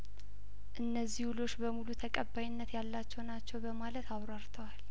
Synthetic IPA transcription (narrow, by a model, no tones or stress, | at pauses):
ʔɨnːəzːihwulo̞t͡ʃːbəmulut̪ʰəkʼəbajɪnːət̪jalːat͡ʃːɛwnat͡ʃːɛwbəmalət̪aβɾaɾt̪ʰəwal